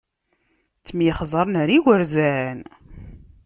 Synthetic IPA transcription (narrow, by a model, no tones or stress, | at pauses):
t͡sːmjiχzˤəɾˤnəɾiwəɾzæn